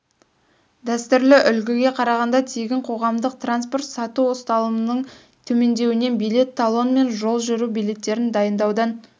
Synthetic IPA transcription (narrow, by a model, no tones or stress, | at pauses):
d̪æst̪ʏɾlɪʔʏlɡʲɪɡʲe̞qʰɑɾɑʁɑnd̪ɑt̪ʰeɡʲɪɴqʰo̞ʁɑmd̪əq̚t̪ranspo̞rt̪sɑt̪uwo̞st̪ɑlˠəənəɴ | t̪ʰɵme̞nd̪e̞wɪne̞nbijle̞t̪ʰːalˠo̞nme̞nʒo̞lˠʒʏɾubijle̞t̪ːe̞ɾɪnd̪ɑjənd̪ɑwd̪ɑn